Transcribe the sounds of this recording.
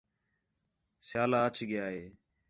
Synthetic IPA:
sjaːlaːət͡ʃʰɡɪjaːɦeː

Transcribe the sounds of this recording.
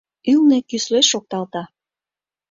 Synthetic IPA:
ylnekysleʃok̚t̪ɑlt̪ɑ

